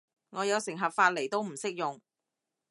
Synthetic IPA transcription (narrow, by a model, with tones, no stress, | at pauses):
ŋɔː˨˧jɐ˨˧wsɪ˨˩ŋɦɐ˨p̚faː˧t̚le˨˩jt̪o˥wm̩˨˩sɪ˥k̚jʊ˨ŋ